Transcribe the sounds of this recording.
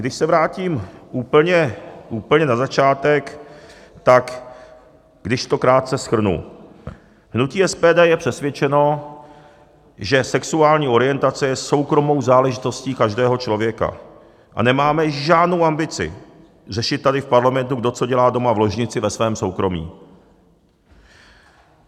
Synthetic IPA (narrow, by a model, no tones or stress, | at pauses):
ɡdɪʃsɛvɾaːciːmʔuːpl̩ɲɛʔuːpl̩ɲɛnazat͡ʃaːt̪ɛk | t̪ak | ɡ̥dɪʃt̪o̞kɾaːt̪̚sɛsxr̩nṵ | ɦnuciːɛspɛːdɛːjɛpr̝̥ɛsvjɛt͡ʃɛno̞ | ʒɛsɛksuaːlɲiːʔo̞ɾɪjɛnt̪at͡sɛjɛso̞wkɾo̞mo̞wzaːlɛʒɪt̪o̞sciːkaʒdɛːɦo̞t͡ʃlo̞vjɛka̰ | ʔa̰nɛmaːmɛʒaːdno̞wʔambɪt͡sɪ̰ | r̝ɛʃɪt̪̚t̪ːadɪfpaɾlamɛnt̪̬uɡ̚do̞t͡so̞ɟɛlaːdo̞mavlo̞ʒɲɪt͡sɪvɛsvɛːmso̞wkɾo̞mḭː